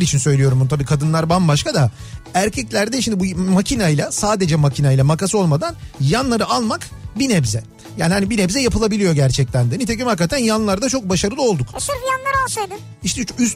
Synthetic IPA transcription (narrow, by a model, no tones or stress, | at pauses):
ɾit͡ʃʰinsø̞jlʲijo̞ɾumbunut̪ʰabiːkʰad̪ɯnlˠaɾbambaʃkad̪a | æɾcʰɛclʲæɾd̪ɛʃimd̪ibumacʰinajlʲˠasaːd̪e̞d͡ʒɛmacʰinajlʲˠamakasɯo̞lˠmad̪anjanlˠaɾɯalˠmakbinɛbzɛ | jaːnihanibinɛbzɛjapʰɯlˠabilʲijo̞ɟæɾt͡ʃʰɛc̚lænd̪init̪ʰecimhakːat̪ʰænjanlˠaɾd̪at͡ʃʰo̞k̚baʃaɾɯlˠɯo̞lˠd̪ukʃɯɾfjanlˠaɾaʃejd̪ɪn | iʃt̪ʰɛys